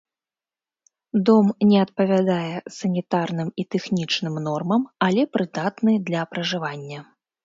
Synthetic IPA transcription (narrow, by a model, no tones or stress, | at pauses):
d̪ɔmnʲɛɐt̪̚pɐvʲad̪ajɛsɐnʲit̪arnɨmit̪ɛxnʲit͡ʂnɨmnɔrmɐmɐlʲɛpɾɨd̪at̪nɨd̪lʲɐpɾɐʐɨvanʲːɐ